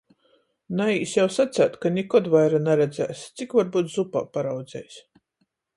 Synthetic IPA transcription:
naiːsjawsat̪sʲæːt̪kanʲikɔd̪vajɾanaɾɛd̪zæ̰ːst̪sikvaɾbuːt̪zupa̰ːpaɾawd̪zɛ̰js

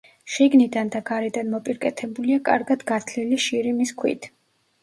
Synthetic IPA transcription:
ʃiɡnid̪and̪aɡaɾɛd̪anmɔpʼiɾkʼɛt̪ʰɛbuliakʼa̰ɾɡad̪ɡat̪ʰliliʃiɾimiskʰwḭt̪ʰ

